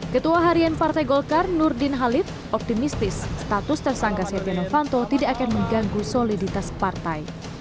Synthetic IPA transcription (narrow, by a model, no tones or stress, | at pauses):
kət̪uaɦaɾianpart̪ajɡɔlkarnʊrdɪnɦalɪf | ɔp̚t̪imist̪ɪsːt̪at̪ʊst̪ərsaŋkasɛpjanofant̪ot̪idaʔːkanməŋɡaŋɡusolidit̪aspart̪aj